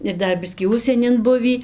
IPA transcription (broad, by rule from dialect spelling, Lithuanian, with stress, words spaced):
ɪr ˈdɐr ˈbʲɪsʲkʲiː ˈʊʃʲsʲiɛnʲɪn ˈbʊʋʲiː